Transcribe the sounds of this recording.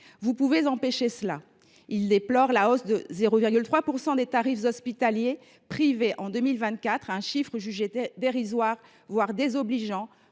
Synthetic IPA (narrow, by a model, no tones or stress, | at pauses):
vupuvezɑ̃peʃesəla | ild̪eplɔʁlaosd̪əzeʁoviʁɡʲylt̪χwapuʁsɑ̃d̪et̪aʁifzɔspit̪alje | pχiveʔɑ̃d̪əmilvɛ̃t̪̚kʲat̪χɛ̃ʃifχəʒyʒed̪eʁizwaʁ | vwaʁd̪ezɔbliʒɑ̃